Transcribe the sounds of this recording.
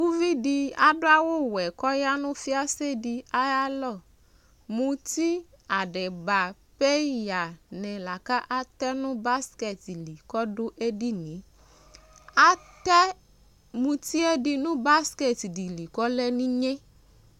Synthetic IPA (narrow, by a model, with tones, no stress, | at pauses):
wu˦vi˦di˧a˨ɖʊ˦a˦wo˦˨wɛ˨kɔ˦ja˦nʊ̃˦fi˦a˦se˦di˧a˦ja˦lɔ˦˨ | mũ˧t̪i˦ | a˨ɖɛ˨ba˨ | pe˦ja˨nɛ̃˨la˨ka˦ʔa˦t̪ɛ˦nʊ̃˦ba˦skɛ˨ti˨li˨kɔ˦do˦ʔe˦di˦nĩ˨˦ | a˦tɛ˦ | mũ˧t̪i˦e˦di˧nũ˦ba˦skɛ˦˨ti˨di˨li˨kɔ˦lɛ˦nĩ˦ɲẽ˦